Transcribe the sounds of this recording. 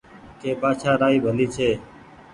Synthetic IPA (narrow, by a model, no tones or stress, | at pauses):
keːpaːt͡ʃʰaːɾaːiːbʱəliːt͡ʃʰeː